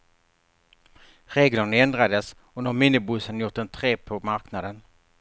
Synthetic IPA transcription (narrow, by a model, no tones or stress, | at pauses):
ɾeːɡləɳɛnd̪ɾad̪əs | ɔnaɾmɪnːɪbɵsːənjʊʈ̪̚d̪ɛnt̪ʰɾeːpʰɔmaɾknad̪ən